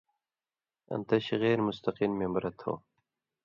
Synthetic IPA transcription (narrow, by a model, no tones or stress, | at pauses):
ɐ̰nt̪ɐɕiɣeːɾmʊst̪ɐqiːnmembɾɐt̪ʰo̰ː